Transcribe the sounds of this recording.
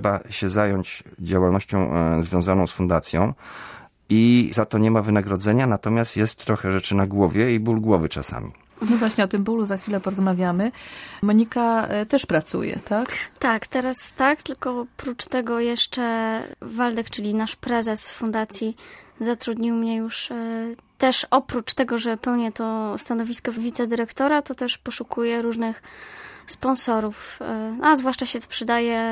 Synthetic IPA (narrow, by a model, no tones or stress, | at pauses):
ʂɛbaɕɛzajɔɲt͡ɕd͡ʑawalnɔɕt͡ɕɔ̃w̃zvʲjɔ̃w̃zanɔ̃w̃sfund̪at̪sʲjɔ̰̃w̃ | izat̪ɔɲɛmavɘnaɡɾɔd̪zɛɲanat̪ɔmʲast̪jɛst̪ːɾɔxɛʐɛt͡ʂɘnaɡwɔvʲjɛibulɡwɔvɘt͡ʂa̰sa̰mʲḭ | nɔvwaɕɲɛɔt̪ɘmbuluzaxfʲilɛpɔɾɔzmavʲjamɘmɔɲikat̪ɛʂpɾat̪sṵjɛ̰t̪akt̪akt̪ɛɾast̪ak̚t̪ɘlkɔpɾut͡ʂt̪ɛɡɔjɛʂt͡ʂɛvald̪ɛkt͡ʂɘlʲinaʂpɾɛzɛsfund̪at̪sʲjizat̪ɾud̪ɲiwmɲɛjuʂ | t̪ɛʂɔpɾut͡ʂt̪ɛɡɔʐɛpɛwɲɛt̪ɔst̪anɔvʲiskɔvʲit̪sɛd̪ɘɾɛkt̪ɔɾat̪ɔt̪ɛʂpɔʂukʰujɛɾuʐnɘxspɔnsɔɾufnazvwaʂt͡ʂaɕɛt̪ɔ̥pʂɘd̪ajɛ